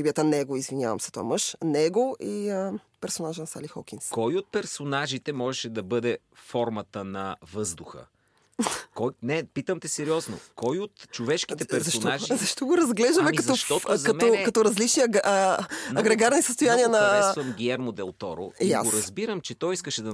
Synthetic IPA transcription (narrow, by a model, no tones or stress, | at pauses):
ibiət̪ənɛɡoizvinʲja̰vɐ̰msɛt̪ova̰mɤʃnɛɡoʔiəpɛɾsonaʒənɐsa̰lixɔ̰kʲinskɔjot̪̚pɛɾsonaʒit̪ɛmɔʒɛʃɛd̪ɐbɤd̪ɛ | fɔɾmɐt̪ənɐvɤzd̪ʊxə̰ | kɔjnɛpit̪əmt̪ɛsɛɾiɔzno̰kɔjot̪t͡ʃovɛʃkit̪ɛpɛɾszɐʃonaʒizɐʃt̪ɔɡoɾɐzɡlɛʒd̪ɐmɛkɐɔʃtt̪ɔkɐmɛɔɛkɐt̪ɔɾɐzlit͡ʃniɐ | ɐɡɾɛɡaɾnisəst̪ojaniɐnɐvəmɡʲiɛɾmod̪ɛlˠt̪ɔ̰ɾo̰ja̰oɾɐzbiɾəmt͡ʃɛt̪ɔjiskəʃɛd̪ɐ